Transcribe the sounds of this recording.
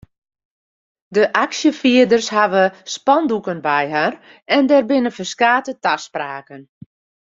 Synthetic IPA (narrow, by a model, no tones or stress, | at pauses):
dəʔaksjəfiədərshaʋəspɔndukənbɛjɦar | ɛndɛrbɪnəfərskaːtətaspraːkən